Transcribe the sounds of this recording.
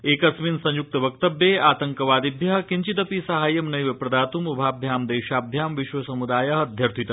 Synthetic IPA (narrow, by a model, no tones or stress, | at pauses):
eːkɐsminsɐ̃ɲjuk̚t̪ɐʋɐk̚t̪ɐbjeːaːt̪ɐŋkɐʋaːd̪ibʱjɐɦɐkiɲt͡ʃit̪ɐpisɐɦaːjɐmnɐjʋɐpɾɐd̪aːt̪umɐbʱaːb̚d̪ʱjaːmd̪eːʃaːb̚d̪ʱjaːmʋiʃʋɐsɐmud̪aːjɐɦɐd̪ʱjɐɾt̪ʰit̪ɐ